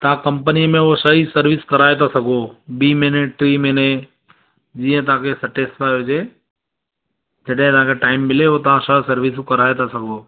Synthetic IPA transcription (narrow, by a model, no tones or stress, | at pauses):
t̪ɐãkɐ̃mpənimẽosəɦisəɾʋɪskɐɾaːet̪ʰasɐɡʱobiːmenẽʈɾimeːnẽ | d͡ʒiːə̃t̪̬ɐãkʰesɐʈespaːod͡ʒeː | d͡ʒɐɗɦɪ̃t̪ɦãkʰeʈaːɪmːɪleot̪ɐʋ̤ãsəsɐɾʋɪs̬kɐɾaːet̪asɐɡʱoː